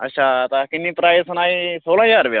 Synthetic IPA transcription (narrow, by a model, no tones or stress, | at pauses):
ɐ̰ɕaːt̪akinːipɾajsɐnaisolãjaɾʋja